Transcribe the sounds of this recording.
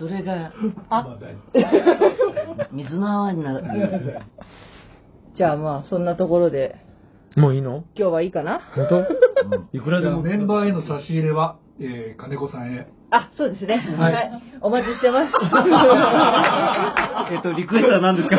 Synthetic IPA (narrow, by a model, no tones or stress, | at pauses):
soɾe̞ɡaa | mʲizɨnaɲina | d͡ʑaːmaːsõ̞nːat̪o̞ko̞ɾo̞d̪e̞ | moːiːno̞kʲo̞ːβaiːkanahõnt̪o | ikɯ̟ɾad̪emmonẽ̞mbaːeno̞saɕiːɾeβa | eːkane̞ko̞sãɰ̃e | aso̞ːd̪e̞sɨne̞haaio̞mat͡ɕiɕi̥t̪emasɨ̥ | eːt̪ːoɾʲikɯst̪anãnd̪e̞sɨ̥ka